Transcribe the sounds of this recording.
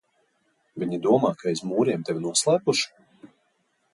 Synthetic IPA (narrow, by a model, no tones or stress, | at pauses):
vʲiɲid̪uɔmaːkʰaɛzmuːɾʲiɛmt̪evʲinuɔslˠæːpuʃu̥